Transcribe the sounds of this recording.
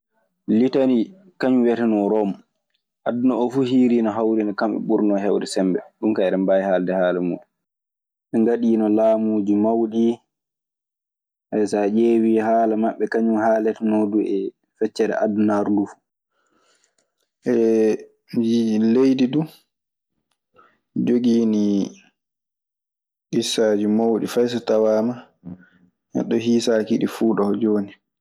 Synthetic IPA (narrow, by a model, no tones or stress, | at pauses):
litani | kaɲumwɛtɛnɔɾɔm | ʔadːunaɔfuhiːɾinɔɦawɾinɔkamɛ̰ɓuɾnɔɦɛwdɛsɛmbɛ̰ɗunkaɛɾɛmbajhaːldɛhaːlamṵːɗu | ɛŋɡaɗiːnɔlaːmuːd͡ʒumawɗi | ʔajsad͡ʒeːwiːhaːlamaɓːɛkaɲumhalɛtɛnɔduɛ | fɛt͡ʃːɛɗɛ̰ʔa̰dunaɾduf | ʔɛ | d͡ʒilejdidu | d͡ʒoɡiːni | ɡisaːd͡ʒimawɗḭfajs̬atawaːma | jɛ̰ɗɔɦiːsaːkiɗifuːɗɔd͡ʒoːni